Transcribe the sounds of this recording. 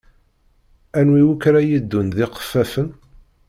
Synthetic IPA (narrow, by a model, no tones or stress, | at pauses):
ænwiwukɾæjid̪ːunðɪqə̥fːæfən